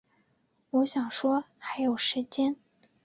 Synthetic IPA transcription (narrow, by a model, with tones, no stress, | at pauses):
wɔ˧˥ɕjɑ˨˩ŋʂwɔ˥ | xa˧˥ɪjo˨˩ʊʂɻ̩˧˥t͡ɕjɛ˥n